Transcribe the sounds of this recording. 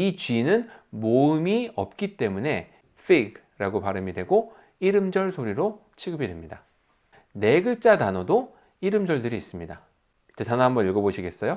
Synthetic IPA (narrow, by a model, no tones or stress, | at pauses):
it͡ɕɥinɯnmoɯmiʌp̚k͈it͈e̞mune̞ | fʰeɡ | ɾaɡopaɾɯmidwe̞ɡo | iɾɯmd͡ʑʌɭsʰoɾiɾo | t͡ɕʰiɡɯbiɾemɲida | ne̞ɡɯɭt͡ɕ͈atanʌdo | iɾɯmd͡ʑʌɭdɯɾiːs͈ɯmɲida | it͈ːetanaɦambʌniɭɡʌboɕʰiɡe̞s͈ʌjo